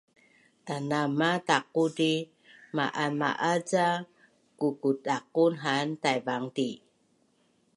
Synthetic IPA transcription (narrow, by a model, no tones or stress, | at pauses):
tanamatakudi | maʔama̰ʔad͡za | kukutak̚unɦantajbaŋdi